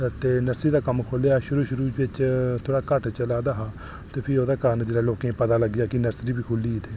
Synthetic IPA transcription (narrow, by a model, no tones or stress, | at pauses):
t̪eːnəɾsɾiːd̪aːkəmkʰoleːaːʃʊɾuːʃʊɾuːɪt͡ʃt̪ʰoːɽaːkəʈʰt͡ʃəlaːd̪aːɦaː | t̪eːpʰɪoːd̪aːkaːnd͡ʒeːɽaːloːkẽːpət̪aːləɡjaːkɪnəɾsɾiːbiːkʰʊliːt̪eː